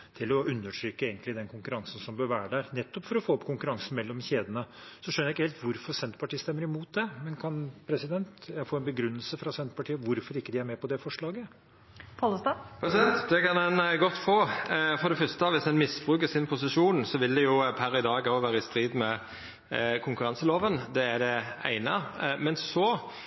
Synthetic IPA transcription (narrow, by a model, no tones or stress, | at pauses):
t̪ʰɪlɔʉnːəʂʰɾʏːkːəeːɡənt̪lɪd̪ɛnkʰʊŋkʉɾɑŋsn̩sɔmbøːɾʋæːɾəɖ̪æːɾnɛt̪ːɔpfɔɾɔfoːɔpkʰʊŋkʉɾɑŋsn̩mɛlːɔmçeːd̪ənəsɔʂœnːəjæɪkːəheːlt̪ʋʊɾfɔɾsɛnt̪pʰɑʈʰiːəst̪ɛmːəɾɪmuːt̪̚d̪ɛmɛnkʰɑnpʰɾɛsɪd̪ɛnt̪jæɡfoːɛnbəɡɾʉnːəlsəfɾɑsɛnt̪pɑʈʰiːəʋʊɾfɔɾɪkːəd̪ɪæɾmɛpɔd̪ɛfɔʂɭɑːɡə | pʰɑləst̪ɑpʰɾɛsɪd̪ɛnt̪d̪ɛkɑnɛnɡɔt̪ːfoːfɔɾɖ̪ɛfœst̪əɑʋɪshɛnmɪsbɾʉːk̬əsɪnpʰʊsɪʂuːnsɔʋɪld̪ɛjʊpʰæɾɪd̪ɑːɡɑʊʋæːɾəɪst̪ɾiːd̪mɛ | kʰʊŋkʉɾɑnsəloːʋənd̪ɛæɖɛæ̰ɪnɑmɛnsɔ